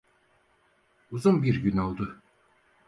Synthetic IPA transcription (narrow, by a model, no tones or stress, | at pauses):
uzumbiɾɟynolˠd̪ɯ